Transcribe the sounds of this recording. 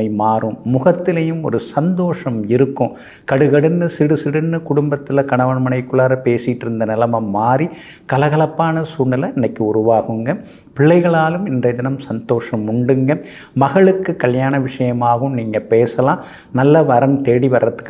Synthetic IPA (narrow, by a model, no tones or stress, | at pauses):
ɐɪmaːɾɯmːʊɣɐt̪ːɪlɐjɯmɔ̰ɾɯsɐnd̪oːʂɐmɪɾɯkːʊ̃ | kɐɽɯɣɐɽɯnːɯsɪɽɯsɪɽɯnːɯkʊɽʊmbɐt̪ːɪlɐkɐɳɐʋɐɳmɐɳɐɪkːʊɭaːɾɐpeːsɪʈːɪɾɯnd̪ɐnɪlɐmɐmːaːɾi | kɐlɐɣɐlɐpːaːnɐsuːɳːɐlɐɛnːɐɪkːɯʊɾʊʋaːɣɯŋɡɐ | pɪɭːɐɪɣɐɭaːlɯmɪndrɐd̪ɪnɐmsɐnd̪oːʂɐmʊɳɖɯŋɡɐ | mɐɣɐɭɯkːɯkːɐljaːnɐʋɪʂɐjɐmaːɣɯmniːŋɡɐpeːsɐlãː | nɐlːɐʋɐɾɐmt̪eːɽiʋɐrːɐt̪ːɯ̥kː